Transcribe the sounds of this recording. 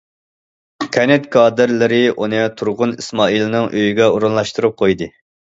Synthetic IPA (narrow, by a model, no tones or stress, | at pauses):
kʲʰɛnɛt̪kʰɑːd̪ɪɾlɪɾɪʔunɨt̪ʰuɾʁʊnismɑːilˠɨnɨŋʔøjyɡʲɛuɾunlˠɑʃt̪ɨɾup̚qʰojd̪ɨ